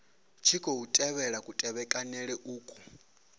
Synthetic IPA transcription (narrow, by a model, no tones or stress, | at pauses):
t͡ʃʰikʼoutʼɛβɛɺakʼutʼɛβɛkʼanɛɺɛʔuːkʼɔ